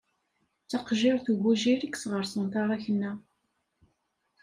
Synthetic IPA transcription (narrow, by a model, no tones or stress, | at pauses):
t͡sɑqʒɪɾˤθuʝuʒiɾiksʁəɾsənt̪ɑɾˤɑçənːæ